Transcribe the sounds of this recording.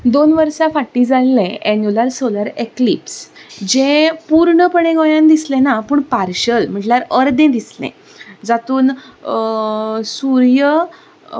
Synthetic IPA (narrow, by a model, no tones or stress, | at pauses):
d̪onʋəɾsafaʈːĩd͡zalːẽʔɛɲjulaɾsolaɾeklipsd͡ʑẽpuɾɳəpəɳẽɡɔjãnd̪islẽnapuːɳpaɾɕəlm̤əɳʈljaɾəɾd̪ẽd̪islḛ̃ | d͡zat̪uːn | suɾjə